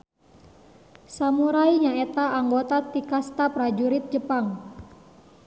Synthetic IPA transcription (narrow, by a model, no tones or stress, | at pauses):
samuɾajɲaet̪aaŋɡot̪at̪ikast̪apɾad͡ʒuɾɪt̪̚d͡ʒəpaŋ